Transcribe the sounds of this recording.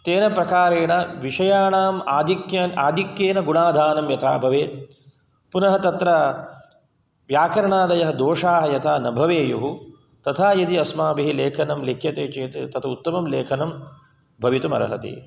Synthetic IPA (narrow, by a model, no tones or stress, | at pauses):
t̪eːnɐpɾɐkaːɾeːɳɐʋiʂɐjaːɳaːmaːd̪ʱikjɐnaːd̪ʱikjeːnɐɡuɳaːd̪ʱaːnɐmjɐt̪ʰa̰ːbʱɐʋeː | punɐɦɐt̪ɐt̪ɾɐ | ʋjaːkɐɾɐɳaːd̪ɐjɐɦɐd̪oːʂaːɦɐjɐt̪ʰaːnɐbʱɐʋeːjuɦu | t̪ɐt̪ʰaːjɐd̪iɐsmaːbiɦileːkʰɐnɐmlekʰjɐt̪eːt͡ʃeːt̪et̪ɐt̪ʰɐut̪ːɐmɐmleːkʰɐnɐm | bʱɐʋit̪ɐmɐ̰ɾɐ̰ɦɐ̰t̪ḭ